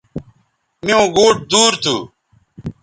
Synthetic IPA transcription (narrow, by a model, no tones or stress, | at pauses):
mijõːɡoːʈ̚d̪uːɾt̪ʰṵː